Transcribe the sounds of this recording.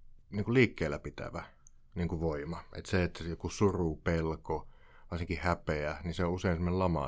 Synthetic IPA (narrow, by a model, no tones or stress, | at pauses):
niːŋkuliːkːeːlːæpit̪æ̰ʋæ | niːŋkuʋoimɑʔḛt̪seet̪ːæjokusurupelko | ʋɑrsiŋkihæpeæniseouseinsemːonelɑmɑ̰